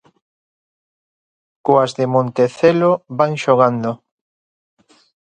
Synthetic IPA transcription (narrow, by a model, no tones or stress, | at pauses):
koazðemõnt̪eθeloβaŋʃoɣ̞and̪o